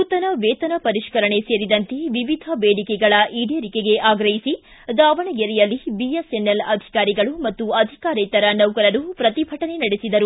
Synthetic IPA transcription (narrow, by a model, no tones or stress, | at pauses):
ut̪ɐnɐʋeːt̪ɐnɐpɐɾiʃkɐɾɐɳe̞seːɾid̪ɐnt̪e̞ʋiʋid̪ʱɐbeːɽikeɡɐɭɐʔiːɖeɾikeɡe̞ʔaːɡɾɐɦisi | d̪aːʋɐɳɐɡɛɾɛjɐlːibiesenːelɐd̪ʱi̥kaːɾiɡɐɭumɐt̪ːuɐd̪ʱikaːɾet̪ɐɾɐnɐwkɐlɐɾupɾɐt̪ibʱɐʈɐne̞nɐɽesid̪ɐɾu